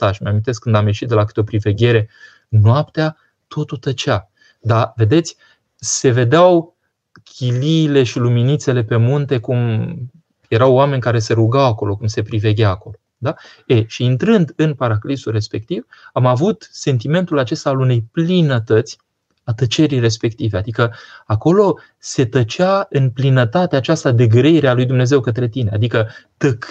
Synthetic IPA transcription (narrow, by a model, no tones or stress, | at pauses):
t̪aʃimeamint̪eskːɨnd̪amje̞ʃit̪̚d̪elakɨ̥t̪eo̞pɾive̞ɡʲe̞ɾe̞ | nwapt̪ea | t̪o̞t̪ut̪ət͡ʃea | d̪ave̞d̪e̞t̪sʲ | se̞ve̞d̪eaw | kʲʰiliːle̞ʃiluminit̪se̞le̞pe̞munt̪e̞kum | je̞ɾawame̞nʲkaɾe̞se̞ɾuɡawako̞lo̞kumse̞pɾive̞ɡʲaːko̞lo̞ | d̪a | eʃiːnt̪ɾɨnd̪ɨnpaɾaklisulre̞spe̞k̚t̪ivamavut̪se̞nt̪̬ime̞nt̪ulat͡ʃe̞st̪aːlune̞jplinət̪ət̪sʲ | at̪ət͡ʃe̞ɾijre̞spe̞kt̪ive̞ad̪ikəako̞lo̞ | se̞t̪ət͡ʃeaɨnplinət̪at̪eat͡ʃast̪ad̪e̞ɡɾeiɾealujd̪umne̞zewkət̪ɾe̞t̪ine̞a̰d̪ikət̪ək